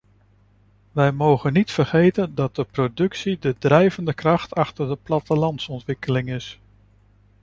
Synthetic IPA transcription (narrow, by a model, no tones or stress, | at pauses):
ʋɛjmowχənːitfəɹχejtəndɑt̚dəprodɵksidədrɛjvəndəkrɑχtɑχtəɹdəplɑtəlɑntsɔntʋɪkəlɪŋɪs